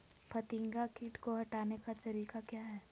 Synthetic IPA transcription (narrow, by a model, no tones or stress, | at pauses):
pʰɐt̪ɪ̃ŋɡakɪʈkoɦɐʈaːnekat̪ɐɾiːkakjaːɦɛː